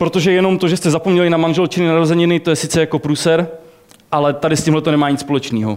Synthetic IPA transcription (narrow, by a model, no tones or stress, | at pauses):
pɾo̞t̪oʒɛjɛno̞mt̪o̞ʒɛst̪ɛzapo̞mɲɛlɪnamanʒɛlt͡ʃɪnɪnaɾozɛɲɪnɪt̪o̞jɛsɪt͡sɛjako̞pɾuːsɛɾ | ʔalɛt̪adɪscimɦlɛt̪onɛmaːɲɪtt͡sspolɛt͡ʃniːɦo̞̰